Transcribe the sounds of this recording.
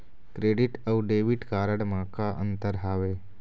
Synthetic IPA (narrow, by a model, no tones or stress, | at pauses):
kɾeɽiʈəwɖeʋiʈkaɾəɽmakaʔə̰nt̪əɾɦaʋe